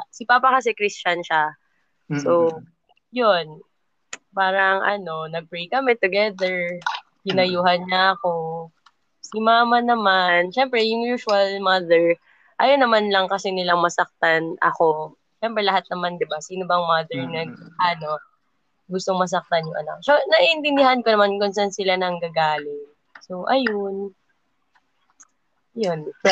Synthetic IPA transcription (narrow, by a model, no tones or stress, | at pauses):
sɪpaːpɐkɐs̬ɛkɾist͡ʃɐnʃa | so | jon | paːɾɐŋʔɐ̰no̞nɐɡ̚pɹejkɐmɛt̪ʊɡɛd̪ɛɹ | hɪnɐjuːɦɐnɲaʔɐko̞ | sɪmaːmɐnɐmanʃɛmpɾɛjʊŋjuːʃʊɐlmɐd̪ɛɹ | ʔɐjonːɐmanlɐŋkɐsɛnɪlaŋmɐsɐk̚t̪anɐ̰ko̞ | ʃɛmpɾɛlɐɦat̪̚nɐmand̪ɪbasiːno̞bɐŋmad̪ɛɹnɐɡʔɐno̞ | ɡʊst̪oŋmɐs̬ɐk̚t̪anjʊŋʔɐ̰na̰k̚sonɐʔiʔɪnt̪ɪnd̪ɪɦankonɐmankʊnsansɪlanɐŋɡɐɡaːlɪ | so̞ʔɐjon | jon